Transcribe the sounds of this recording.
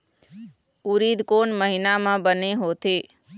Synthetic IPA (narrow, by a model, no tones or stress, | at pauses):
uɾiːd̪koːnməɦɪnamãːbəneɦoːt̪eː